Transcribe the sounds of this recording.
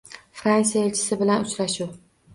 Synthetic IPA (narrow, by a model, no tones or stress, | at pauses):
fɾansijaelt͡ʃʰɪ̥sɪbɪlanʊt͡ʃɾaʃuw